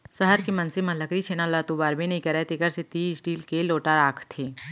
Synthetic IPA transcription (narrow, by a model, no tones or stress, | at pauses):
sɐɦəɾkemɐnsemɐləkɾit͡ʃʰeːnalat̪ubaːɾbenɐɦĩkɐɾet̪ɪkəɾset̪iːsɖiːlkeloːʈaɾaːkʰt̪ʰeː